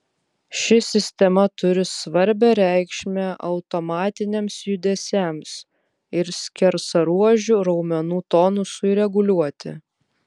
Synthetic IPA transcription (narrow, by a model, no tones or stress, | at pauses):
ʃʲɪsʲɪsʲt̪ʲɛmɐt̪ʊɾʲɪsʋɐɾʲbʲɛɾʲæˑɪkʃʲmʲɛʔɐʊt̪ɔmɑːt̪ʲɪnʲemsjʊd̪ʲɛsʲæˑms | ɪɾsʲkʲɛɾsɐɾuɔʒʲʊɾɒʊmʲɛnuːt̪ɔːnʊsʊiɾʲɛɡʊlʲuɔt̪ʲɪ̰